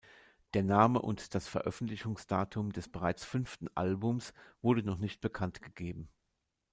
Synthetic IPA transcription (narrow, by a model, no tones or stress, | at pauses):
d̥eːɐnaːməʔʊ̰ntd̥asfɛɐʔœfn̩tlɪçʊŋsd̥aːtʰʊmdɛsb̥əʁ̞aɪt͡sfʏnftn̩ʔa̰lbʊmsv̥ʊɐdənɔχnɪçt̚b̥əkʰantɡ̥əɡ̥eːbm̩